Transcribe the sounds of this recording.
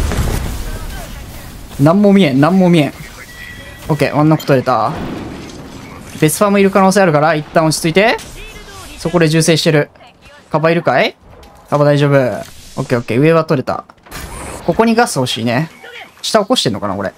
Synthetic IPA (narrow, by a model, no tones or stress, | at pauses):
nãmːoːmʲiẽ̞nnãmːoːmʲiẽ̞ɴ | oːke̞̰ːʔõnːako̥t̪oɾe̞t̪a̰ | b̥e̞sɨ̥ɸamoiɾɯ̟kano̞ːs̬eːaɾɯ̟kaɾait̪ːãɰ̃ot͡ɕi̥t͡sɨit̪e̞ | so̞ko̞d̪e̞ʑɨːse̞ːɕi̥t̪e̞ɾɯ̟ | kabaiɾɯ̟kai | kabad̪aiʑo̞ːbɯo̰ːkːeoːkːe̞ːɯ̟e̞βat̪o̞ɾe̞t̪a̰ | ko̞ko̞ɲ̟iɡasɨho̞ɕḭːne̞ɕi̥t̪aoko̞ɕi̥t̪e̞nːokana̰koɾḛ